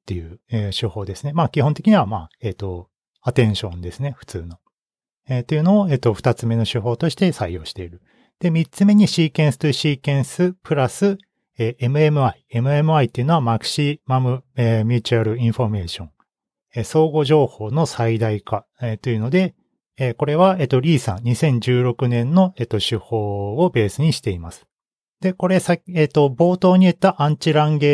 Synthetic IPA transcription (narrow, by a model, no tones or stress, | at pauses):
t̪ːe̞jɯ̟eɕoho̞ːd̪esɨne̞maːkʲihõ̞nt̪e̞kʲiɲ̟iβamaːeːt̪ːo̞ | at̪ẽ̞ɰ̃ɕõ̞nd̪e̞sɨne̞ɸɯ̟̥t͡sɨːno̞ | et̪e̞jɯ̟no̞ːe̞ːt̪ːo̞ɸɯ̥t̪at͡sɨme̞no̞ɕiɦo̞ːt̪o̞ɕi̥t̪e̞saijo̞ːɕi̥t̪e̞iɾɯ̟ | d̪̥e̞mʲit͡sɨme̞ɲ̟iɕiːkẽ̞ɰ̃sɨ̥t̪oiɕiːkẽ̞ɰ̃sɨpɯ̟ɾasɨ | eːʔe̞mɯ̟e̞mɯ̟aie̞mɯ̟e̞mɯ̟ait̪ːeiɯ̟noamakɯ̟̥ɕimamɯ̟emʲjɯːt͡ɕɯaɾɯ̟ĩɰ̃ɸo̞me̞ːɕõ̞ŋ | eso̞ːɡo̞ʑo̞ːho̞ːno̞said̪aika | et̪o̞iɯ̟no̞d̪e̞ː | ko̞ɾe̞βae̞t̪ːoɾʲiːsã̰nɲ̟isẽ̞ɲ̟d͡ʑɨːɾo̞kɯ̟nẽ̞nːo̞e̞t̪ːoɕɨho̞ːobe̞ːsɨɲ̟iɕi̥t̪e̞imasɨ̥ | d̪̥e̞ko̞ɾe̞saeːt̪o̞bo̞ːt̪o̞ːɲ̟iet̪ːaʔãɲ̟t͡ɕiɾãŋɡe̞